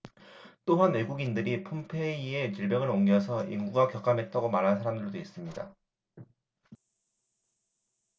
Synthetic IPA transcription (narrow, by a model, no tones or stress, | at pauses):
t͈oɦanwe̞ɡuɡindɯɾipʰompʰe̞ie̞t͡ɕɯɭbjʌŋɯɾoŋɡjʌs̬ʰʌḭŋɡuɡwakjʌk͈amɦe̞t͈aɡomaɾɦansʰaɾamdɯɭdois͈ɯmɲida